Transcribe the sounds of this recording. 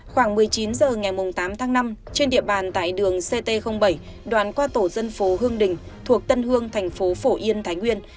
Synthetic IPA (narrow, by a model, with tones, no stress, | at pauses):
xwaː˧˩ŋmɨ˨˩əjt͡ɕi˨˦nzəː˨˩ŋa˨˩jmʊ˨˩ŋ͡mt̪aː˨˦mt̪ʰaː˨˦ŋna˧mt͡ɕe˧nɗḭ˧˨əɓaː˨˩nt̪a̰ː˧˨jɗɨ˨˩əŋse˧t̪e˧xə˧wŋ͡mɓə˧˩j | ɗwa̰ː˧˨nkwaː˧t̪o˧˩zə˧nfo˨˦ɦɨ˧əŋɗï˨˩ŋ̟t̪ʰu˨˩ək̚t̪ə˧nɦɨ˧əŋt̪ʰɛ˨˩jŋ̟fo˨˦fo˧˩ʔi˧ənt̪ʰaː˨˦jŋwi˧ən